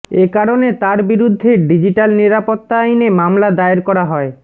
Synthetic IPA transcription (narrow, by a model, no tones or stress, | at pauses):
ekaɾonet̪aɾbiɾud̪ʱːeɖid͡ʑiʈalniɾapot̪ːaajnemamlad̪aeɾkɔɾaɦɔe